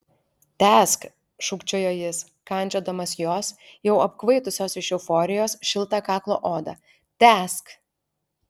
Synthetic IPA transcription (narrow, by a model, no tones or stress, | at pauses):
t̪ʲæːsk | ʃʊkt͡ʃʲoːjoːjɪs | kɐˑnʲˑt͡ʃʲoːd̪ɐmɐsjoːsjɛʊɐp̚kʋɐɪt̪ʊsʲoːsɪʃɛʊfɔːɾʲɪjoːsʃʲɪlˠt̪ɑkɑːklˠo̰ːʔoːd̪ɐ̰ | t̪ʲæːsk